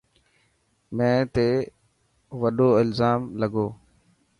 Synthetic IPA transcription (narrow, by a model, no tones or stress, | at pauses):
mɛ̃ːt̪eː | ʋəɗoːɪlzaːmləɡoː